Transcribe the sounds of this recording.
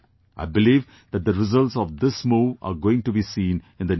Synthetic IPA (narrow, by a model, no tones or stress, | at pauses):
ʔa̰ɪbɪliːʋ | d̪æʈ̚d̪əɾɪzʌlʈsɔʋd̪ɪsmoːa̰ɾɡoːɪ̃ŋʈubisĩːn | ɪ̃nd̪ən